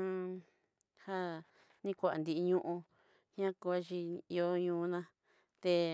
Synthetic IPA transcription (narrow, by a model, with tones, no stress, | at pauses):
ã˧ | ha˦ | nĩ˦kʷa˨a̰˨nd̪i˧i˧ɲũ˦ʔũ˧ | hã˦ko˧a˦˧t͡ʃi˧i˧o˦ɲũː˧nã˦ | t̪e˧